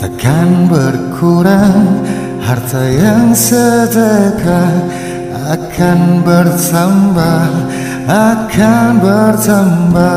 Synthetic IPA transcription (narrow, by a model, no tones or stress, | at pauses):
t̪akʰanbəɾkʰuɾaŋ | haɾt̪ajaŋsəd͡ʒajkʰa | akʰanbəɾsəmba | akʰanbəɾsamba